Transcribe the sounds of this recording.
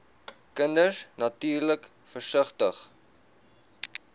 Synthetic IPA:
kəndəsnɐtyːrləkfərsəχtəχ

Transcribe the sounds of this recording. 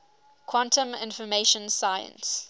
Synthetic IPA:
kʰwãntʰə̃mɪ̰̃nfɔmeʃə̃nsajə̰̃ns

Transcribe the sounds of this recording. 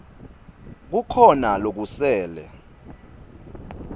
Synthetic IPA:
k̬ukʰɔnalok̬usɛːlɛ̰

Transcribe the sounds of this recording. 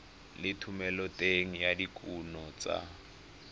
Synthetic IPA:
lɪtʰumɛlɔtʼeŋ̩jadikʰʼunɔt͡sʼa̰

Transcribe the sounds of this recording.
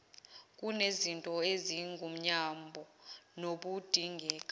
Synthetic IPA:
kʼunezintʼɔeziŋɡʱum̩ɲambʱɔnoɓud̥ʱiŋɡʱɛːkʼa

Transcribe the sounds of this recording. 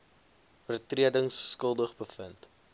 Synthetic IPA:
fərtriədəŋsːkəlˠdəχbəfənt

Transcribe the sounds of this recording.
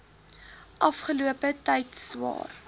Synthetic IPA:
ʔɐfχəluəpətɐjtswɑ̰ːr

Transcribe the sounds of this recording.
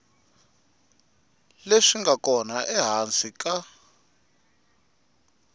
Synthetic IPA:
leʂiŋɡakɔnaʔɛɦant͡sʼika

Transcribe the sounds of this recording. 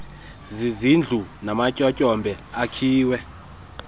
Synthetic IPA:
zizind͡ɮʱunamacʼɔcʼɔmbʱɛakʰiːwɛ

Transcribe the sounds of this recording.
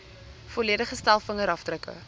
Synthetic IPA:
foliədəχəstælˠfəŋəɾɐfdrəkə̰

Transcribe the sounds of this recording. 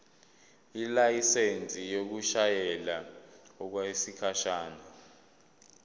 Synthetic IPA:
ilajisent͡sʼijok̬uʃajɛlaɔk̬wasikʰaʃaːna

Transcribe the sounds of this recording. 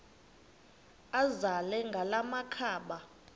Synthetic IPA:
azalɛŋɡʱalamakʰaːɓa

